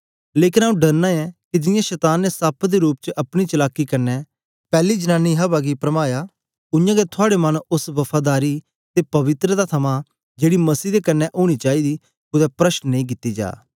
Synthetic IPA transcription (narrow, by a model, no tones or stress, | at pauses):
leːkɪnaːũɖɐɾnaɛkid͡ʒɪjãʃɛt̪aːnːesapʰd̪eɾuːp̚t͡ʃəʔɐpɽ̃it͡ʃɐlaːkːikɐnːɛ | pɛːlid͡ʒənãːnːiɦɐbaɡipɾɐmaːja | ʊ̃jãɡet̪ʰʊaːɽemɐnʊsʋɐpʰaːd̪aːɾi | t̪epɐʋɪt̪ɾəd̪at̪ʰɐmã | d͡ʒeːɽimɐsiːd̪ekɐnːɛʔoːɽ̃it͡ʃaːid̪i | kʊd̪ɛpɾɐʃnnẽĩk̬ɪt̪ːid͡ʒa̰ː